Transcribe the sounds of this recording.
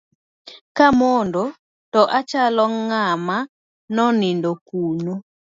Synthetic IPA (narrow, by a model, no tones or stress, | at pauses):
kamondo | tɔʔat͡ʃalɔŋama | nɔnindokuno